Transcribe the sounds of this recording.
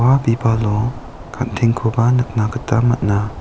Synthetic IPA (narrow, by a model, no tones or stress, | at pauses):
wabibalɔ | kʰant̪ʰɛŋkʰubanɯk̚nakətamat̚na